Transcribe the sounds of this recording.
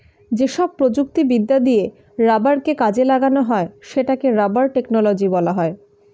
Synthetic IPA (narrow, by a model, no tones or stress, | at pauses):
d͡ʑeʃɔb̚pɾod͡ʑuk̚t̪ibid̪ːad̪ije | ɾabaɾkekad͡ʑelaɡanoɦɔeʃeʈakeɾabaɾʈeknolod͡ʑibɔlaɦɔe